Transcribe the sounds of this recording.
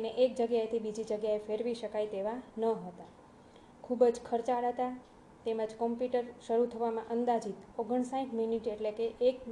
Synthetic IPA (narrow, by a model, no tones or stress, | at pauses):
neʔek̚d͡ʒəɡjaet̪ʰibid͡ʒid͡ʒəɡjaefeɾʋiʃəkajt̪eʋanəɦət̪a | kʰubəd͡ʒkʰəɾt͡ʃaɽɦət̪a | t̪eməd͡ʒkɔmpjuʈəɾʃəɾut̪ʰəʋamãʔənd̪ad͡ʒit̪oɡəɳsaĩʈminiʈeʈlekeʔːk